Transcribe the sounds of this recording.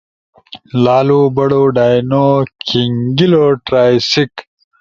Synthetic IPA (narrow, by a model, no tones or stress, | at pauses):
laːlubɐɽoɖaːjnoːkʰiŋɡiloːʈɾaːjsik